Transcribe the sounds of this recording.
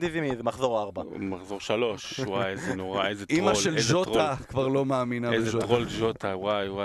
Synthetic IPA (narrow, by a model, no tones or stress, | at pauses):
d̪izimizemaχzo̞ʁaʁbamaχzoʁʃalo̞ʃwajzenoʁaezetimalʃelzoʁakvaʁlo̞meːminaebeʒoʁolʒot̪awajwa